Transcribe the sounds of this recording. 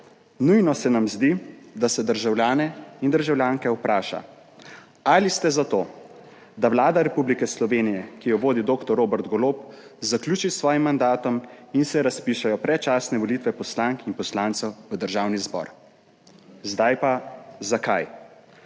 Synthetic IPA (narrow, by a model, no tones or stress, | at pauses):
nujnɔsɛnamzd̪id̪asɛd̪əɾʒawljaːnɛind̪əɾʒawljaːŋkɛupɾaːʃa̰ | alist̪ɛzat̪oː | d̪awlaːd̪aɾɛpublikɛslɔʋeːnijɛkijɔʋoːd̪id̪oːkt̪ɔɾoːbɛɾt̪ɡɔloːpzaklʲuːt͡ʃisʋɔːjimːand̪aːt̪ɔminsɛɾaspiːʃajɔpɾɛt͡ʃasnɛʋɔlit̪ʋɛpɔslaŋkinpɔslaːnt̪sɛwʋəd̪əɾʒawnizbɔ̰ːɾ | zd̪ajpazakaj